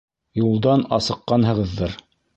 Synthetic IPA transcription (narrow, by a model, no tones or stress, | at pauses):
julˠd̪ɑnɑsɤ̆qːɑnɦɤ̆ʁɤ̆ðːɤɾ